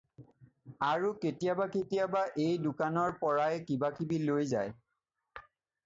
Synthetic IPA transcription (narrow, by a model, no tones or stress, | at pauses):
aɹuketijabaketijabaʔejdʊkanɔɹpɔɹajɛkibakibilojzaj